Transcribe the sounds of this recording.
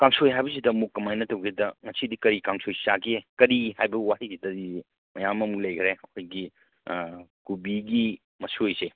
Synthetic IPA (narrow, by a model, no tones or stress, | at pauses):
kaŋsojɦajbɐs̬idɐmukːɐmajnɐtɐwɡʰidɐŋɐsidikɐɾikaŋsʰojsaɡiekɐɾihajbɐwaisidɐdi | mɐjamːɐmuk̚lɐjkʰɾeɐkʰojɡi | kubiɡi | mɐsojse